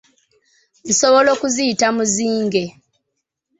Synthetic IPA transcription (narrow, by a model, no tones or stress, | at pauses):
n̩so̞βo̞lo̞ːkuziitamuziːŋɡe̞